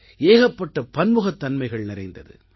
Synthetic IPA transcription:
eːɣɐpːɐʈːɐpɐnmɯɣɐt̪ːɐnmɐɪɣɐɭnɪɾɐɪnd̪ɐðɯ̰

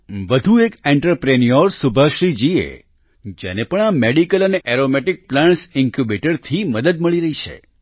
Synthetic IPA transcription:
ʋəd̪ʱuekɛɳʈəɾpɾenijoɾsubʱaʃɾid͡ʒiḛ | d͡ʒḛnepəɳameɖikələneʔɛɾomɛʈik̚plãɳʈsɪ̃ŋkjubeʈəɾt̪ʰiməd̪əd̪̚məɭiɾəɦit͡ʃʰḛ

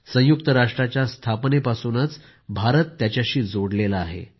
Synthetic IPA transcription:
sə̃jukt̪əɾaʂʈɾat͡ɕjast̪ʰapnepasuːnət͡s | bʱaɾət̪ːjat͡ɕjaɕiːd͡zoɽlelaːɦḛ

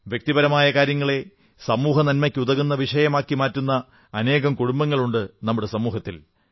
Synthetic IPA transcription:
ʋjek̚t̪ibɐɾɐmaːjɐkaːɾjɐŋːɐɭe̞ | sɐmuːɦɐnɐnmɐkʲːuðɐɣunːɐʋiʂɐjɐmaːkːimaːtːunːɐː | ne̞ːɣɐmkuɽumbɐŋːɐɭuɳɖɨnɐmːuɽe̞sɐmuːɦɐt̪ːil

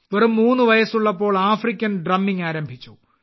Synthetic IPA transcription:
ʋerumːuːnːɨʋɐjɐsuɭːɐpːo̞ːɭaːfrikʲːɐnɖrɐmːiŋaːɾɐmbʱit͡ɕːu

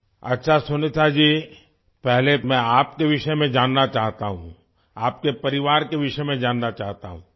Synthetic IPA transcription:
ɐtːʃʰasʊnet̪ʰad͡ʒiː | pɛɦlemɛ̃aːpkeʋɪʃəmẽd͡ʒaːnːat͡ʃaːɦt̪aɦṵ̃ | aːpkepɐɾɪʋaːɾkeʋɪʃəmẽd͡ʒaːnːat͡ʃaːɦt̪aɦũ

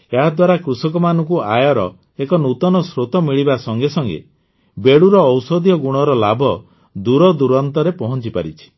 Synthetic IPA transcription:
eɦad̪waɾakɾusɔkɔmanɔŋkuajɔɾɔ̰ | ekɔnut̪ɔnɔsɾot̪ɔmiɭibasɔŋɡesɔŋɡḛ | beɽuɾɔːwsɔd̪ʱjɔɡuɽ̃ɔɾɔlabʱɔ | d̪uɾɔd̪uɾɔnt̪ɔɾepɔɦɔnt͡ʃipa̰ɾit͡ʃʰi̥

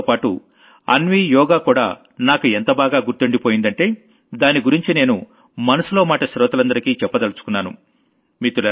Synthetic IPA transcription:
paːʈṵ | ɐ̰nʋiːjɔːɡaːkuːɽa̰ː | naːkuent̪ɐbaːɡaːɡuɾt̪oɳɖipoːjind̪ɐɳʈe̞ː | d̪aːniɡuɾiɲt͡ʃine̞ːnu | mɐnɐsulo̞ːmaːʈɐʃɾɔːt̪ɐlɐnd̪ɐɾikiːt͡ʃɛpːɐd̪ɐlɐsu̥kunːaːnṵ | miːt̪ulɐ

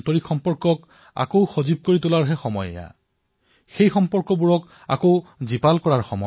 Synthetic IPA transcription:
tɔɹixɔmpɔɹkɔk | a̰kowxozib̚koɹitʊlaɹɦɛxɔmɔjɛ̰ja̰ | xejxɔmpɔɹkɔbuɹɔk | a̰kowzipalkɔɹaɹxɔmɔ̰

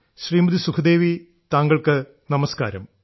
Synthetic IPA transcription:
ɕriːmɐd̪isukʰɐd̪e̞ːʋi | t̪aːŋɡɐɭkɨ | nɐmɐska̰ːɾɐ̰m

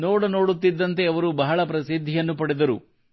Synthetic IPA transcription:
noːɽɐno̞ːɽut̪ːid̪ːɐnt̪e̞ɐʋɐɾubɐɦɐɭɐpɾɐsid̪ʱːijɐnːupɐɽed̪ɐɾṵ

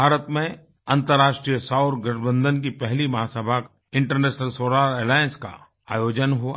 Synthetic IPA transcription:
bʱaːɾət̪mẽ | ɐ̃nt̪əɾːaːʃʈɾijəsaʊɾɡɾɪʈbə̃nd̪ənk̬ipɛɦlimɐɦaːsəbʱak | ɪ̃ɳʈəɾneːʃnəlsoːɾaːɾeːlaːjə̃nska̰ | a̰ːjoːd͡ʒənɦua

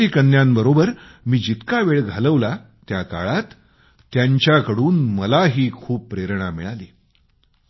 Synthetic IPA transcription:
iːkənːjãmbəɾobəɾmiːd͡ʑit̪kaʋeɭɡʱaləʋla | t̪jaka̰ɭat̪ː | jaɲt͡ɕjakəɽuːnməlaɦiːkʰuːpːɾeɾɳamiɭaliː

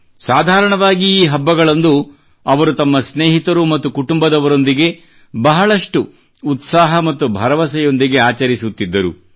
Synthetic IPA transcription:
saːd̪ʱaːɾɐɳɐʋaːɡiːɦɐbːɐɡɐɭɐnd̪u | ɐʋɐɾut̪ɐmːɐsneːɦit̪ɐɾumɐt̪ːukuʈumbɐd̪ɐʋɐɾo̞nd̪iɡe̞ | bɐɦɐɭɐʂʈuː | t̪saːɦɐmɐt̪ːubʱɐɾɐʋɐsɛjo̞nd̪iɡe̞aːt͡ʃɐɾisut̪ːid̪ːɐɾṵ

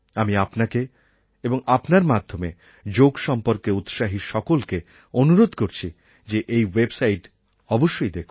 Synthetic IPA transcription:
amiapnake | eboŋapnaɾmad̪ʱːome | d͡ʑoɡʃɔmpoɾkeut̪ʃaɦiʃɔkolke | onuɾod̪ʱkoɾt͡ɕʰi | d͡ʑeʔejwebsajʈ | ɔboʃːojd̪ekʰu

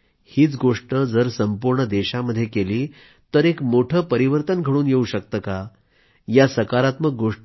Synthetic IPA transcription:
hiːt͡sɡoʂʈəd͡zəɾsəmpuɾɳəd̪eɕaməd̪ʱːjekeliː | t̪əɾekmoʈʰəːpəɾiʋəɾt̪ənɡʱəɽuːnjeuɕək̚t̪əːka | jasəkaɾat̪mək̚ɡoʂ

